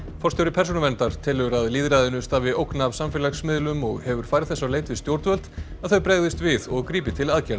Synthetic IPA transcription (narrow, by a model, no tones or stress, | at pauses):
fɔrst̪ɛwɾɪpʰɛɾ̥sunavɛnt̪aɾ̥t̪ʰɪlʏɾaðliːðɾajðɪnʏst̪aːvɪowknavsamfɪlaxsmɪðlʏmɔɣhɛvʏɾ̥fajɾθɛsːaleːjt̪vɪst̪jowɾt̪vœlt̪aðθœɥpɾeːɣðɪst̪vɪðɔɣkɾiːpɪt̪ʰɪlaðcɛɾð